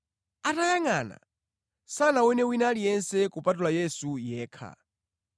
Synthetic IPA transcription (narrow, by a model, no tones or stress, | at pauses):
atajaŋaːna̰ | sanawɛnɛwinalijɛnsɛkupatulajɛsujɛːkʰa̰